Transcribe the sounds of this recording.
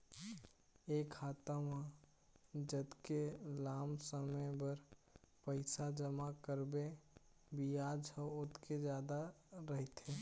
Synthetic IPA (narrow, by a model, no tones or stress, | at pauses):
eːkʰaːt̪əma | d͡ʒəd̪kelaːmsəməjbəɾpəɪsad͡ʒəmakəɾbe | bijad͡ʒəot̪ked͡ʒjad̪a | ɾəɦɛt̪ɦe